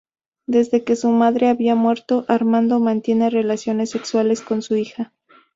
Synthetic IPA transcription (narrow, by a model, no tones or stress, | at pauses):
d̪e̞zðe̞ke̞sumaðɾe̞aβiamwe̞ɾt̪o̞ʔaɾmãnd̪o̞mãnt̪je̞ne̞re̞lasjo̞ne̞sːe̞kswale̞sko̞nsuixa